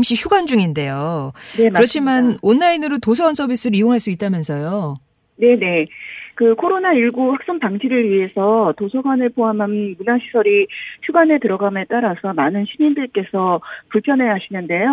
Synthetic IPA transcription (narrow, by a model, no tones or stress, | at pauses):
mɕ͈içʰuɡand͡ʑuŋinde̞jonekɯɾʌt͡ɕʰimanʌnːainɯɾotosʰʌɡwansʰʌbis͈ɯɾioŋɦaɭs͈uit̚t͈amjʌnsʰʌjo | ne̞ne̞kɯkʰoɾonaiɭɡuɸak̚s͈aŋpaŋd͡ʑiɾɯɭɥiɦe̞sʰʌtosʰʌɡanɯɭpʰoamanmunaɕʰi̥sʰʌɾiçʰuɡanetɯɾʌɡamet͈aɾasʰʌmanɯnɕʰiɲindɯɭk͈e̞sʰʌpuɭpʰjʌnɦe̞ɦaɕʰinɯnde̞jo